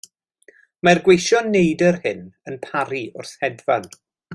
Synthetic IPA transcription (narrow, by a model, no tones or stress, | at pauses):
marɡwejʃɔnejdərhɪnənpʰaɾiʊrθhɛdvan